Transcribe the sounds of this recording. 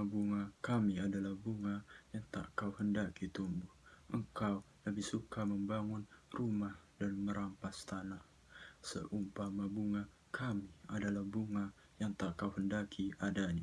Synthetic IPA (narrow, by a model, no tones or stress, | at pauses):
abuŋakamiadalahbuŋajaŋt̪a̰ʔkawhəndakit̪umbʊhhʔəŋkaw | ləbɪhsukaməmbaŋʊnrumah | danməɾʔampast̪anah | sə̰ʔumpamabuŋa | kʰamiadalahbuŋa | jaŋt̪akawhəndakʰiʔadaɲa